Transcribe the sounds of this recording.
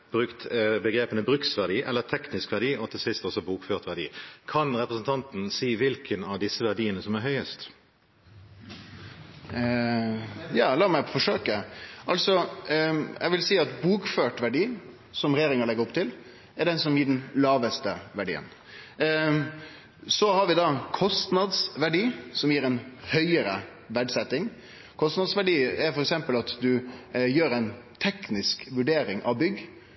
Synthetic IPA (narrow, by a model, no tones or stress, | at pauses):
b̥ʁʉkt̪bəɡɾeːpənəbʁʉksʋæʁɖiːʔɛlːət̪ʰɛknɪskʋæɖiːʔɔt̪ʰɪlsɪst̪ɔsɔbuːkføːʁt̪ʋæʁɖḭːkʰɑnʁɛpɾəsn̩t̪ʰɑnt̪n̩siːʋɪlkʰənɑʋd̪ɪsːəʋæʁdiːənəsɔmæɾɦœʏəst̪ | jɑːlɑːmæfɔʂøːkəʔɑlsɔ | ɛ̰ʋɪlsiːɑt̪buːkføːʈʋæɖiː | sɔmɾɛjeːɾɪŋəɭɛɡːəɾɔpt̪ʰɪl | ɛɖɛnsɔmjiːɖɛn̩lɑːʋəst̪əʋæɖḭːə̰n | sɔhɑɾʋɪd̪ɑkʰɔst̪nɑd̪sʋæɖiːsɔmjiːɾɛnhœʏəɾə̰ | ʋæɖsɛt̪ːɪŋ | kʰɔst̪nɑd̪sʋæɖiːɛɾfɔɾɛksɛmpəlɑt̪d̪ʉjøːɾɛɪn | t̪ʰɛknɪskʋʉɖeːɾɪŋʔɑʋbʏɡː